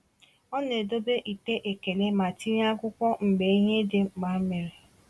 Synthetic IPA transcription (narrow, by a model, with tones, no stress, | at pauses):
ɔ˦ne˨do˦be˦ʔi˨te˦ʔe˨ke˨le˦ma˨ti˦ɾa˦kʷʊ˦kʷɔ˦m̩˨ɡ͡be˨i˦ɦe˦de˦˨ma˨˦me˨ɾe˨